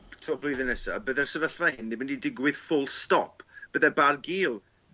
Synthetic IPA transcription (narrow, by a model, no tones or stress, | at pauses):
tʰɔblˠʊjðɨnɛsa̰bəðɛrsəvəɬvahɪndibɪndidɪɡwɪð̥fʊlˠstɔpʰb̥əðɛbarɡiːlˠ